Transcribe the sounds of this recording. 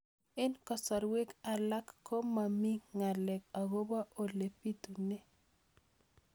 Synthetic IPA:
ɛ˦nkɔ˨sɔ˨ɾwe˦ka˨la˦kːo˦ma˨mi˦ŋa˨lɛ˨k̚a˨ɡo˦ba˦ʔo˨le˨pi˦t̪u˨ne˦

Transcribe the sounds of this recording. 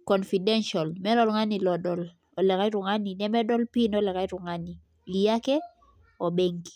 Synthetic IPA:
kɔ˨nfi˨dɛ˦nʃa˨lmɛ˦lɔ˦lŋa˦ni˨lɔ˨dɔ˨l | ɔ˨lɛ˨ka˦ɪ˦ɾʊ˨ŋa˦ni˨nɛ˦mɛ˦dɔ˦lpi˦nɔ˦lɛ˨ka˦ɪ˦ɾʊ˨ŋa˦ni˨ | li˨ja˦kɛ˦ | ɔ˨be˦ŋɡi̥˦

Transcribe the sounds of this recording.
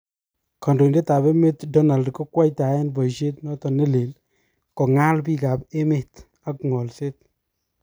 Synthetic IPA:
ka˨ndo˨i˨nde˦ta˨be˦me˦tdɔ˦na˨ldko˦kwa˦jta˨ɛ˦nbɔ˨jʃe˦tnɔ˦tɔ˨ne˦le˨l | kɔ˨ŋa˦lbi˦ka˨pe˦me˦t | a˨kŋɔ˨lse˦t̚

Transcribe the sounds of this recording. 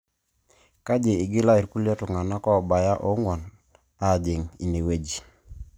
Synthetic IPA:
ka˦d͡ʒe˨ɪ˨ɡɪ˦la˦i˨ɾku˦ljɔ˦tʊ˨ŋa˨na˦kɔ˦˨ba˨ja˦ʔo˨˦ŋwɔ˨n | a˦˨d͡ʒɪ˨ŋi˨ne˨we˦d͡ʒi˨

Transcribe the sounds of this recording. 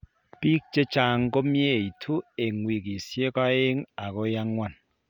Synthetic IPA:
pi˦k̚t͡ʃe˦t͡ʃa˦ŋ˦ko˦mje˦˨i˨tʰu˦e˨ŋwi˨ki˨sje˦ka˦e˦ŋa˨ko˦ja˦ŋːwa˦n

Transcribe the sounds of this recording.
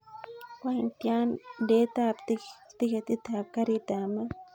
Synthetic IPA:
kʷaint̪ja˦nde˦t̪a˧pt̪ikt̪i˦ket̪i˦t̪ʰa˨kaɾit̪ama˦

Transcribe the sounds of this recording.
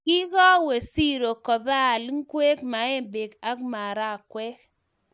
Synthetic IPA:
ki˦ɡɔ˦we˨si˦ɾo˨kɔ˨ba˦˨lŋ˦kwe˦kma˨˦e˦be˨ɡa˦kma˨ɾa˦˨kwɛ˦k

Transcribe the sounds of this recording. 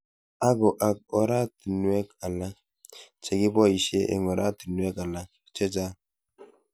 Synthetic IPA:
a˦ɡɔ˨ʔa˨k̚ɔ˨ɾa˦ti˨nwɛ˦ka˨la˦ | t͡ʃɛ˨ɡi˦bɔ˦˨i˨ʃe˦ʔḛ˨ŋɔ˨ɾʔa˦ti˨nwɛ˦ka˨la˦ | t͡ʃe˦d͡ʒa˦

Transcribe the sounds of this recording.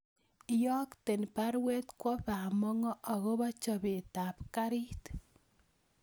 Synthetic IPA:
jɔ˦kte˨npa˦ɾwe˦t̪kwɔ˦pa˨mɔ˦ŋɔ˦ʔa˨ɣo˦βɔ˦t͡ʃɔ˨be˨ta˨pka˦ɾi˦t

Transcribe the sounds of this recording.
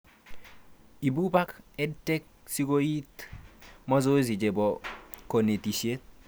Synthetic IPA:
i˨bu˦ba˦kɛ˦tːe˦k̚si˦ɡo˦i˦t | mɔ˦zo˦zi˨d͡ʒe˨bɔ˨ko˨ne˨ti˨sie˦t̚

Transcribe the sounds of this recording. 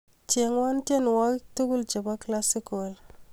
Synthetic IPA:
t͡ʃe˨ŋwa˦nte˦n˨wa˦ki˦tu˦ɡu˦ld͡ʒe˨ba˦kla˦si˦ko˨l

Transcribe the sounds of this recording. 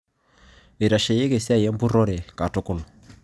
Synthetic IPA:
e˨ɾa˨ʃe˨je˦ke˨si˦a˦˨jɛ˦mbu˦ɾɔ˦ɾɛ˨ka˨tʊ˦kʊ˦˨l

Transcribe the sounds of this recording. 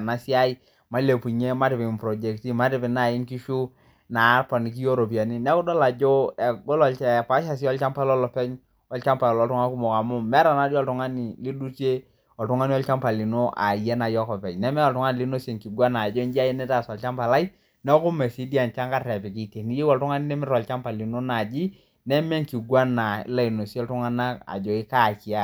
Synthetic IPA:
na˨˦si˦a˦i˦ | ma˨˦le˨pu˨ɲe˦ma˦tɪ˨pɪ˨pɾɔ˨d͡ʒe˨˦kti˦ma˦tɪ˨pɪ˨na˨jɪ˦ŋki˦ʃu˦ | na˨˦pa˨ni˨k̬i˦jo˦ɾo˨p̬i˨a˨ni˦nɛ˦kʊ˦dɔ˦la˨d͡ʒo˦ɛ˨ɡo˦lɔ˨ɛ˨pa˨˦ʃa˨s̬i˦ɔ˦lt͡ʃa˦mpa˦lɔ˦lɔ˨pɛ˦ɲ | ɔ˦lt͡ʃa˦mpa˨ɔ˨lɔ˨tʊ˦ŋa˦ku˦mo˨ka˨mʊ˦mɛ˦ɾa˨na˨˦djɔ˦˨ltʊ˨ŋa˦ni˨li˦du˦t͡ʃe˦ | ɔ˨ltʊ˨ŋa˦n˦ɔ˦lt͡ʃa˦mpa˨li˨no˦ʔa̰˨jɛ˦na˨jɔ˦kɔ˨pɛ˨ɲnɛ˦mɛ˦ɔ˨tʊ˨ŋa˦ni˨lɪ˦no˦se˨ŋki˨ɡwa˦na˨d͡ʒɔ˦nd͡ʒi˦a˦jɛ˦nɛ˦ta˦˨sɔ˨lt͡ʃa˦mpa˨la˦i˦ | nɛ˦kʊ˦mɛ˨si˨˦di˦a˨nt͡ʃa˦ŋka˦ɛ˨pi˨ki˦˨te˨ni˦je˦wɔ˨ltʊ˦ŋa˦ni˦nɛ˦mɪ˦ɾɔ˨lt͡ʃa˦mpa˨li˨no˦na˨d͡ʒi˦ | nɛ˦mɛ˦ŋ̩ki˨ɡwa˦na˨ɪ̰˦la˦˨i˨no˨si˦ɔ˦ltʊ˦ŋa˦na˦a̰˨d͡ʒo˨ɪ˦ka˦˨ki˨a˦

